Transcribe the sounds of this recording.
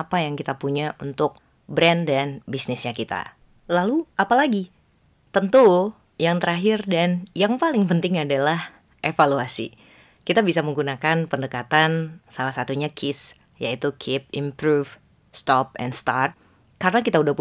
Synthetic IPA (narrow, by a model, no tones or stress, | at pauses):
apajaŋkit̪apuɲaʔunt̪ʊk̚ | bɾɛndanbisnɪsɲakit̪a̰ | laluʔapalaɡi | t̪ənt̪u | jaŋt̪əɾaɦɪrdanjaŋpalɪŋpənt̪ɪŋadalah | ʔefaluasḭ | kit̪abisaməŋɡunakanpəndəkat̪ansalahsat̪uɲakʰɪs | jait̪ukʰɪp̚impɾuf | st̪ɔp̚ɛ̰nst̪a̰rt̪̚ | kaɾənakit̪audahp